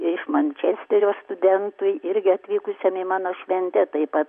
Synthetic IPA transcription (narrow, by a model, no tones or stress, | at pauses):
ɪʃmɐnʲt͡ʃʲɛsʲt̪ʲɛɾʲoːst̪ʊd̪ʲɛnt̪ʊɪɪɾʲɡʲɪɐt̪ʲʋʲiːkʊsʲɛmɪmɑːnoːʃʲʋʲɛnʲt̪ʲɛt̪ɐɪpɐt̪